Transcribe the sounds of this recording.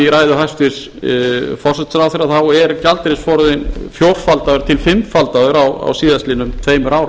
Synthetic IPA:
iɾajðʏɦajst̪ɪs | fɔrsɛt̪sɾawθeɾaθawɛɾcalt̪ɪɾɪsfɔɾðɪnfjowɾ̥falt̪aðʏɾ̥t̪ʰɪlfɪmfalt̪aðʏɾawa̰wsiːðastliːnʏmt̪ʰveːjmʏɾaːwɾ

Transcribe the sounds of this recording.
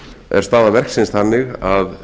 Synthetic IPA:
ɛ̰ɾ̥st̪aːðavɛr̥ksɪnst̪θanːɪɣað

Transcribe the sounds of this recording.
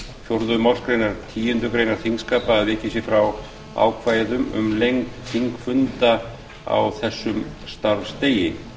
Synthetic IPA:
fjowɾðʏmawlskɾejnaɾt̪ʰiːjʏnt̪ʏkɾejnaɾ̥θiŋskaːpaːðvɪːcɪsjɪfɾaw | a̰ːwkʰvajðʏmʏ̰mlejŋk̪θʰiŋkfʏnt̪a | a̰wθɛsːʏm | st̪aɾvst̪eːjɪ

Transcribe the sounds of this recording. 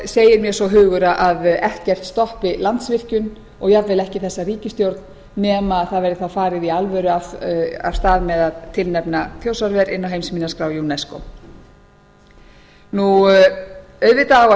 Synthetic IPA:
seːjɪɾmjɛsɔɦʏːɣʏɾaʔaðɛht̪cɛr̥t̪st̪ɔhpɪlant̪svɪr̥cʏn | ɔɣjavvɪlɛhcɪθɛsːariːcɪst̪jowɾt̪n | nɛmaðθaðvɛɾðɪθawfaːɾɪðialvœɾʏava̰̥st̪aːðmɛðaðt̪ʰɪlnɛpnaθʰjowsaɾvɛɾɪnːawɦejmsmiːnaskɾaːwjunɛsko̰ | nu | œɥðvɪt̪aɣa

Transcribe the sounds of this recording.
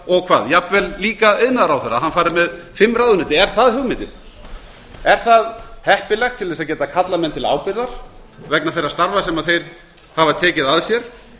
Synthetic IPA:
ɔɣkʰva̰ːðjapvɛlliːkaɪðnaðɾawθɛrːaɦanfaːɾɪɾmɛðfɪmːraːwðʏnɪːt̪ːɪɛɾ̥θaðhʏɣmɪnt̪ɪn | ɛɾ̥θaðhɛhpɪlɛxt̪ʰɪlðɛsaðcɛːt̪akʰat̪lamɛnt̪ʰɪla̰ːwpɪɾðaɾ̥ | vɛknaθejrːast̪aɾvasɛmaðθejɾ̥ | havat̪ʰɛːcɪðaðsjɛɾ̥

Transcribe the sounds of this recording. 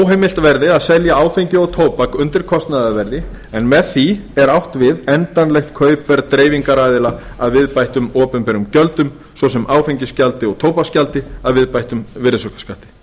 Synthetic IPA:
wɦejmɪl̥t̪vɛɾðɪaðsɛljaaːwfeɲcɪɔɣt̪ʰoːwpakʏnt̪ɪɾ̥kʰɔst̪naðavɛɾðɪ | ɛnmɛðθiɛɾawht̪vɪðɛnt̪anlɛxt̪kʰœːɥpvɛɾt̪ɾeːjviŋkaɾajðɪla | aðvɪðpajht̪ʏmɔːpʏnpɛɾʏmcœlt̪ʏm | svɔsɛmaːwfeɲcɪscalt̪ɪɔɣt̪ʰoːwpascalt̪ɪaðvɪðpajht̪ʏmvɪɾsɔkḁskaht̪ɪ̥

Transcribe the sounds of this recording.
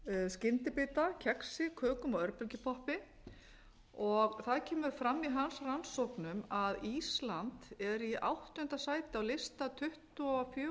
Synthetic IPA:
scɪnt̪ɪpɪːt̪acʰɛksɪkʰœːkʏmɔœɾpʏlcɪpʰɔhpɪ | ɔɣθaðcʰɛːmʏɾ̥fɾamːiɦansransɔwhknʏmaðislant̪ɛɾiʔa̰wht̪ʏʏnt̪asaːjt̪ɪawlɪst̪at̪ʰʏht̪ʏɔfj

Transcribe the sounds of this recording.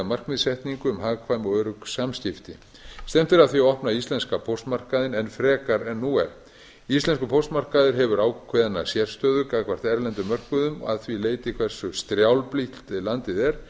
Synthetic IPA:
amar̥kmɪðsɛht̪niŋkʏmhaːɣkʰvaːjmɔwœɾʏksamscɪft̪ɪ | st̪ɛm̥t̪ɪɾaðθviaɔhpnaist̪lɛnskapʰowst̪mar̥kaðɪnɛnfɾɛːkaɾɛnːuɛɾ | ist̪lɛnskʏpʰowst̪mar̥kaðɪɾɦɛvʏɾaːwkʰvɛðanasjɛɾ̥st̪œːðʏkakʰvar̥t̪ɛɾlɛnt̪ʏmœr̥kʏðʏma̰ðθvileːjt̪ɪikʰvɛr̥sʏst̪ɾjawlplih̪t̪ɪlant̪ɪðɛɾ̥

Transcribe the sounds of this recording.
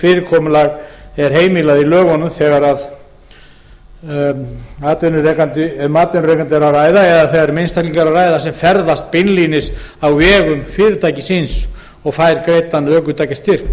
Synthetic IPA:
fɪːɾɪɾkʰɔmʏlaɣɛɾ̥ɦeːjmilaðilœːɣɔnʏmθɛɣaɾað | aːt̪ɛnʏrɛːkant̪ɪmaːt̪ɛnʏɾeːkant̪ɪɛɾawraːjðaɛðaθɛɣaɾmenst̪ʰakliŋkaɾawraːjðasɛmfɛɾðast̪̚pɪnliːnɪsawvɛːɣʏmfɪɾɪɾt̪ʰaːjcɪsins | ɔɣfajɾkɾejt̪anːœːkʏt̪ʰaːjcast̪ɪɾ̥

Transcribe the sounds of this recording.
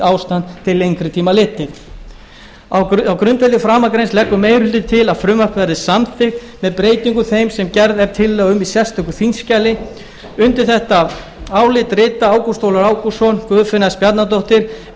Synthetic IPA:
aːwst̪ant̪ʰɪlːejŋkɾʏt̪ʰiːmalɪːt̪ːɪɾ | awawkɾʏnt̪vɛlɪfɾaːmakɾejnslɛkːʏmeːjɾhʏlt̪ɪt̪ʰɪlaðfɾʏmvakvɛɾðɪsamθʰɪ | mɛðpɾeːjt̪iŋkʏθejmsɛmcɛɾðɛɾt̪ʰɪlːœɣʏmisjɛst̪ʏhkʏθinscaːlɪ | ʏnt̪ɪɾ̥θɛht̪a | aːwlɪt̪ɾɪːt̪aaːwkust̪owlaɾaːwkusɔnkvœːðfɪnːaspjat̪nat̪oht̪ɪɾ̥

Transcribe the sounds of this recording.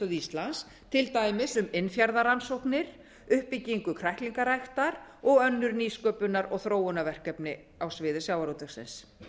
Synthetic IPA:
œðist̪lans | t̪ʰɪlt̪aːjmɪsʏmɪnfjaɾðaɾansowhknɪɾ | ʏhpɪcːiŋkʏkʰɾajhk̪liŋkaɾajxt̪aɾɔɣœnːʏɾniːskœːpʏnːaɾɔɣθɾoːwʏnavɛr̥kɛpnɪ | awsvɪːðɪsjaːwaɾowt̪ɛxsɪ̰ns

